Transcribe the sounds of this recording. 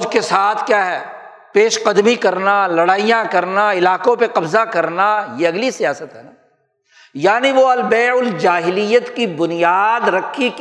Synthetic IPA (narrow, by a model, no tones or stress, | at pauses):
ʊd͡ʒkesaːt̪ʰkjaːɦɛː | peːʃqɐd̪mikɐɾnalɐɽaːijãkɐɾnaɪlaːqõpeqɐbzakɐɾnajeɐɡlisijaːsət̪ɦɛːna | jaːniʋoɐlbɛːʊld͡ʒaːɦɪlijət̪kibʊnijaːd̪ɾɐkʰːik